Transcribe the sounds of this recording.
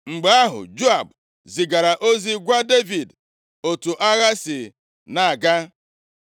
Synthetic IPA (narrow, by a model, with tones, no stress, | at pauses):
ŋ͡m̩˨ɡ͡ba˨a˦ɦʊ̰˨d͡ʒo˦a˨b | zi˨ɡa˨ɾa˨ʔo˦zi˦ɡʷa˦de˦vi˨d | o˨tu˨ʔa˦ɣa˦si˨ | na˨a˨ɡa˦